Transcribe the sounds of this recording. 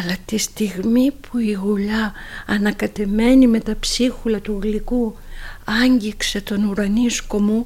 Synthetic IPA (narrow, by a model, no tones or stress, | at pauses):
ɐlɐt̪ist̪iɣmipʰuiɣuʎɐɐnɐkɐt̪e̞me̞nime̞t̪ɐpsixulɐt̪uɣlikuɐɲɟikse̞t̪o̞nuɾɐnisko̞mu